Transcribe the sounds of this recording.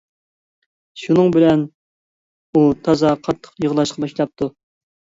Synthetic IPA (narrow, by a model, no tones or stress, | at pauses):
ʃunɨŋbɪlɛn | ut̪ʰɑzɑqʰɑt̪ʰːə̥qjəʁlˠɑʃqʰɑbɑʃlˠɑp̚t̪ʰu